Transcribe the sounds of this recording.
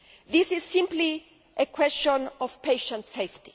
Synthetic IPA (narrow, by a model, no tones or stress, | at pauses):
ðisɪz̥sɪ̃mpli | ʔəkʰwɛst͡ʃɔ̃nɔvpʰeɪʃə̃ntseɪft̪i̥